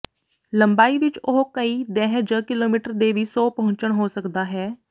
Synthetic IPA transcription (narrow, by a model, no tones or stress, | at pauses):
ləmbaːiːʋɪt͡ʃʊɦkəiːd̪ɛːɦd͡ʒəːkɪloːmiːʈəɾd̪eːʋiːsoːpəɦʊ̃ɲt͡ʃəɳɦoːsəkd̪aːɦɛː